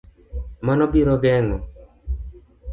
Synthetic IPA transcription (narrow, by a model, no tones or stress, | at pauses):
manɔbiɾɔɡɛŋɔ̰